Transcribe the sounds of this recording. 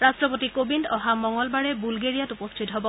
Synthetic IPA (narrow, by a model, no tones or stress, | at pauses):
ɹastɹɔpotikobindɔɦamɔŋɔlbaɹɛbulɡeɹijatupɔstʰitɦɔbɔ